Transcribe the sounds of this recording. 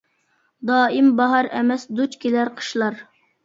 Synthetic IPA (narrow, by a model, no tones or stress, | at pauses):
d̪ɑːimbɑɦɑɾɛmɛsd̪ut͡ʃkʲilæɾqʰə̥ʃlˠɑɾ